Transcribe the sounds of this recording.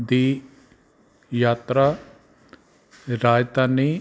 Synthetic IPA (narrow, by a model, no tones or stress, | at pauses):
d̪iː | jaːt̪ɾaː | ɾaːjt̪aːniː